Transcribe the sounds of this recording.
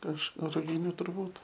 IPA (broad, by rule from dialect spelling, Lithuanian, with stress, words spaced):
kɐʃ rʊˈɡʲɪnʲuː tʊrˈbuːt